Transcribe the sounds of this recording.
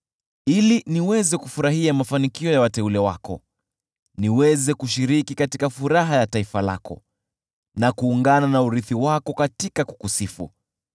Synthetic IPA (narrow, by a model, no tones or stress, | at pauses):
iliniwɛzɛkufuɾaɦiamafanikiɔjawatɛulɛwa̰kɔ̰ | niwɛzɛkuʃiɾikikatikafuɾaɦajataifala̰kɔ̰ | nakuːŋɡananauɾiθiwakɔkatikaku̥kusifṵ